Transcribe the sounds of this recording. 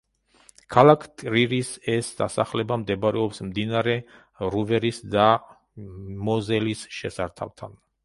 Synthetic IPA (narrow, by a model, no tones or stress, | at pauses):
kʰalˠakʰt̪ʼɾiɾisɛsd̪̥a̰sa̰χlɛbamd̪ɛbaɾɛɔpsmd̪inaɾɛ | ɾuvɛɾisd̪a | mɔzɛlisʃɛsaɾt̪ʰa̰lt̪ʰan